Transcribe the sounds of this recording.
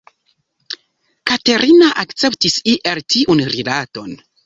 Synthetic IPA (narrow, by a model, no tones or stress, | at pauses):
kate̞ɾʔinaʔakt͡se̞ptisiʔeltiʔunɾilato̞n